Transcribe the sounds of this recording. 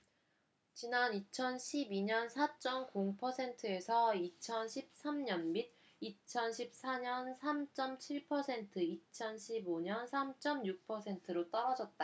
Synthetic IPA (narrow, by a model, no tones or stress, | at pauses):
t͡ɕinanit͡ɕʰʌnɕʰibiɲʌnsʰat͡ɕ͈ʌmkoŋpʰʌsʰe̞ntʰɯe̞sʰʌit͡ɕʰʌnɕʰip̚s͈ʰamɲʌnmid | it͡ɕʰʌnɕʰip̚s͈aɲʌnsʰamt͡ɕ͈ʌmt͡ɕʰiɭpʰʌsʰe̞ntʰɯit͡ɕʰʌnɕʰiboɲʌnsʰamt͡ɕ͈ʌmjuk̚pʰʌsʰe̞ntʰɯɾot͈ʌɾʌd͡ʑʌt̚t͈a